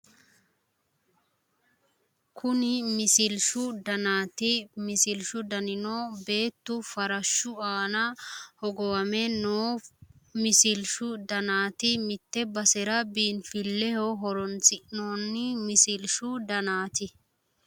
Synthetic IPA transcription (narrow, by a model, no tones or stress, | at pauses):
kʰʊnɪmɪsɪlʃʊd̪ɐnaːt̪ɪmɪsɪlʃʊd̪ɐnɪnoːbe̞ːt̪ːʊfɐɾɐʃːʊaːnɐhɔɡɔwɐmɛnoː | mɪsɪlʃʊd̪ɐnaːt̪ɪmɪt̪ːɛbɐsɛɾɐbiːnfɪlːɛhɔɦɔɾɔnt͡sɪʔno̞ːnːɪmɪsɪlʃʊd̪ɐnaːt̪ɪ